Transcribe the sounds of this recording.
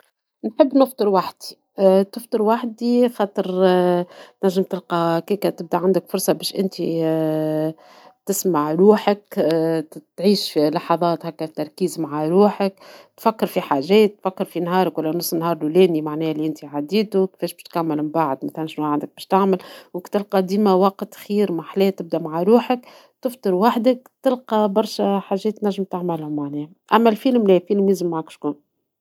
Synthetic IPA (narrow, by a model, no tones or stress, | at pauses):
nħəbːnɪft̪ˤɨɾwaħd̪i̥ | t̪ɪft̪ˤɨɾwaħd̪ixɑːt̪ˤɨɾ | t̪næʒːəmt̪ɪlqɑkiːkæt̪ɪb̚d̪aʕand̪əkfʊɾˤsˤɑbɛːʃʔɪnt̪i | t̪ɪsmaʕɾuːħək | t̪ʕiːʃlɑħɑðˤɑːt̪hækːæft̪ːɑɾˤkiːzmaʕaɾuːħəkt̪fækːɑɾfiħaʒɛːt̪ːfækːɪɾfinɦɑːɾˤəkwælːænɑsˤːnhɑːɾˤlulɛːnimaʕnɛːhliʔɪnt̪iʕad̪iːt̪ukfɛːʃbɪʃt̪kæmːɪlbaʕd̪mæθælænʃnuʕand̪ək̚bɛːʃt̪aʕmɪlwɪkt̪ɪlqɑd̪iːmæwɑqt̪xiːɾmaħlɛːt̪ɪb̚d̪æmaʕaɾuːħək | t̪ɪft̪ˤɨɾwaħd̪ək̚t̪ɪlqɑbɑɾˤʃɛħaːʒːɛːt̪ːnæʒːəmt̪aʕmælhʊmaʕnɛːh | ʔæmːælfilmlɛːfiːlmjɪzəmːaʕakʃkuːn